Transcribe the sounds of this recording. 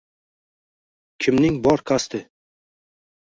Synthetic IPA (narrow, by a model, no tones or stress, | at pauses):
kʲʰɪmnɪŋbɒɾkʰast̪ʰɪ